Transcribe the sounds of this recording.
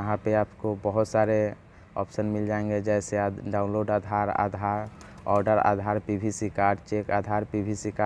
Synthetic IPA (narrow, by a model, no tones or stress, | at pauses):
əɦãpeaːpkobəɦʊt̪saɾe | ɔ̰psənmɪld͡ʒaẽŋɡed͡ʒɛseɖaːʊ̃nloːɖad̪ʱaɾa̰d̪ʱaɾ | ɔːɾɖəɾa̰d̪ʱaɾpibʱisikaɾɖt͡ʃekad̪ʱaɾpibʱisika